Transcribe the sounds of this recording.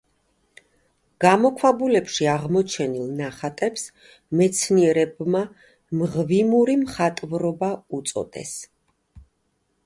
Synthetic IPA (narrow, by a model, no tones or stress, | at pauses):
ɡ̥amɔkʰwabulɛpʃiaʁmɔt͡ʃʰɛnilˠnaχat̪ʼɛps | mɛt̪sʰniɛɾɛbma | mʁvimuɾimχat̪ʼvɾɔbaut̪sʼɔ̰d̪ɛ̰s